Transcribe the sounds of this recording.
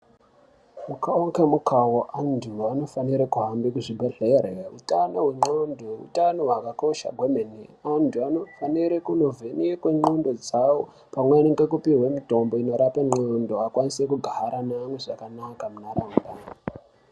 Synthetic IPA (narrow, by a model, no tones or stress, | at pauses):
mukaoŋkemukawoʔandʰuano̞faniɾekuɦambikuʐibʱeɮereaṵtanoɦwe̞ŋ͡ǃondoṵtanoɦakako̞ʃa̰ɡʱwemeniantuano̞faniɾekuno̞vʱeniekweŋ͡ǃondo̞d͡zawo | pamweneŋɡekupiɦwemito̞mbo̞ino̞ɾapeŋ͡ǃondoakwanisekuɡʱaɦaɾanamweʐakanakamunaɾaːmba